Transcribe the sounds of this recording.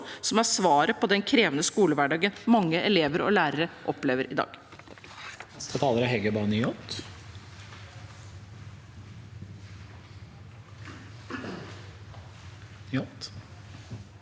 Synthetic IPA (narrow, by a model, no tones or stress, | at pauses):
sɔmæsʋɑːɾəpʰɔd̪ɛnkʰɾeːʋənəskuːləʋæɖɑːɡənmɑŋːəʔɛleːʋəɾɔ̰læːɾəɾəʔɔpleːʋəɾʔɪd̪ɑ̰ːɡ̥ | ɛst̪ʰət̪ʰɑːləɾæɦɛɡəbɑːnjɔt̪ | jɔt̪